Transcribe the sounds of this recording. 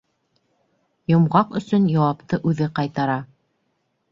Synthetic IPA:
jŏmʁɑqɵ̆sɵnjɑwɑpt̪ɤʔʉðɘqɑjt̪ɑɾɑ

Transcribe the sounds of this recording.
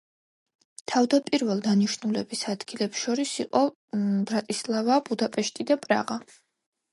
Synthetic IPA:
t̪ʰavd̪apʼiɾvɛlˠd̪aniʃnulɛbisad̪̥ɡilɛpsʃɔɾisiqʼɔ | bɾat̪ʼislˠavabud̪apʼɛʃt̪ʼid̪apʼɾa̰ʁa

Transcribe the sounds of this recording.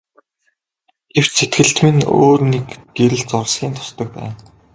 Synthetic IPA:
ɡ̥ew̥t͡ɕsʰet̪ɡɘ̆ɬt̪mɘ̆no̰ːrnekɡ̥eɾɘ̆ɮt͡sɔrsɡʲiːnt̪ʰʊ̥st̪ɞ̆k̚pæ̰ːn

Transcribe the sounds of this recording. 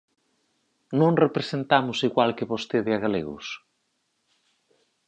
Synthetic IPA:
nõŋrepɾesent̪amʊsiɣwalkeβost̪eðeaɣalḛɣʊ̰s

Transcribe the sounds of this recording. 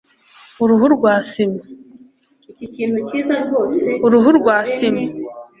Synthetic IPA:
uɾuhuɾɡwaːsima | iouɾuɦuɾɡwaːsima

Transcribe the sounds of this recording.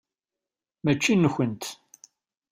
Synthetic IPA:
mæt͡ʃːinːəçənt̪

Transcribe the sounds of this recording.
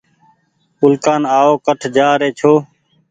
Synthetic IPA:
ʊlkaːnaːoːkəʈʰd͡ʒaːɾeːt͡ʃʰoː

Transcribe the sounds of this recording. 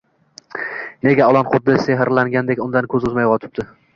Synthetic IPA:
ne̞ɡʲaɒlˠɒnqʰʊd̪ːɪseɦɪɾlaŋɡʲand̪ekʲʊnd̪ankʰɵzʊzmajqɒt̪ʰɪ̥p̚d̪ɪ

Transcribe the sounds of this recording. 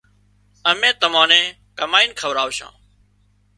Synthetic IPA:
əmẽːt̪əmãːnẽː | kəmaːiːnkʰəʋɾaːʋʃã̰ː

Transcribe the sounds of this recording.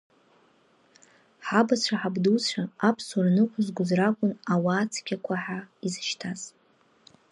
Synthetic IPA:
ħabat͡ɕʷʰaħabdut͡ɕʷʰaapʰsurnɨkʷʊzɡʷʊzrakʷʼʊnawaːt͡sʰkʲʰakʷʰaħaizɨʃtʰaz̥

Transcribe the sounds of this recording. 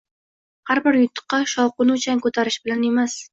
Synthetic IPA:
haɾbɪɾjʊt̪ʰːɨ̥qːɑʃɒwqʊnʊt͡ʃʰaŋʲkʰɵt̪ʰaɾɪʃbɪlane̞mas

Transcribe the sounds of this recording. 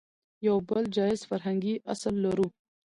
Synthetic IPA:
jawbəld͡ʒɑɪz̥faɾɦaŋɡiʔaslːaɾu

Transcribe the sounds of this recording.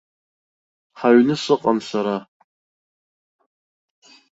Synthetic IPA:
ħaɥnɨsɨqʼansaɾa

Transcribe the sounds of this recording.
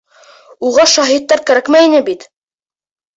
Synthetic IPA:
uʁɑʃɑɦit̪ːɑɾkæɾækmæinɘbit̪

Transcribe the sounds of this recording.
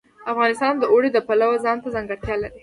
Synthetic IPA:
afɣɑnɪst̪ɑnd̪əoɽed̪əpalawazɑnt̪azaŋɡaɽt̪jɑlaɾi

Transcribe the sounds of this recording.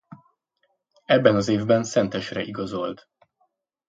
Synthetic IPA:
ɛbːɛnɒzeːvbɛnsɛnt̪ɛʃrɛʔiɡɒzo̞lt̪

